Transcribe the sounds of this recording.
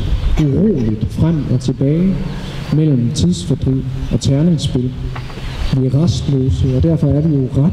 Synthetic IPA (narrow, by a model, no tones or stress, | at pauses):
uʁo̰ːlid̥fʁam̰ɒ̽t͡sʰe̝b̥ɛːɪ | mel̰m̩t͡sʰiðˠsfæd̥ʁḭʔɒ̽t͡sʰæɐneŋsb̥e̝l | b̥ʋeʁɑsd̥løːsəɒ̽d̥æɐ̰fɒ̽æɐʋijo̝ʁa